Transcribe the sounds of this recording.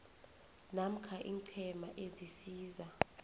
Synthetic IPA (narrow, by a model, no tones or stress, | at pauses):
nam̩kʰaʔiːŋǀʰɛmaʔezisiːza